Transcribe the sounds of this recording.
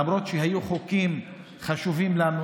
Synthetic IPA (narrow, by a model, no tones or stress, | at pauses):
amɾo̞t̪ʃeɦajuχokim | χaʃuvimlanu